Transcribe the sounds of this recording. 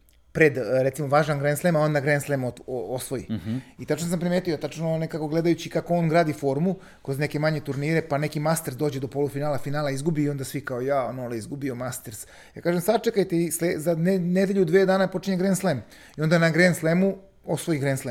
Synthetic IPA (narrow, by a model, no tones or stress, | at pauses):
pɾed̪ɾet̪simoʋaːʒanɡɾeːnslˠemao̞nd̪aɡɾenslemotoosʋo̞jḭit̪at͡ʃnos̬ampɾimeːt̪ujot̪at͡ʃnonekako̞ɡled̪ajut͡ɕikakooːnɡɾaːd̪ifo̞ɾmu | kɾo̞zne̞ke̞maɲe̞t̪uɾniɾe̞panekimast̪eɾsd̪o̞ːd͡ʑe̞d̪o̞po̞lufinaːlafinaːlaizɡubiio̞nd̪asʋikaojaonoleizɡubiomast̪eɾs | ja̰ːkaːʒemsad̪t͡ʃekajt̪eislezanened̪eʎud̪ʋeːd̪aːnapo̞t͡ʃiɲeɡɾeːnslem | io̞nd̪anaɡɾenslˠemu | osʋojiɡɾeːnslem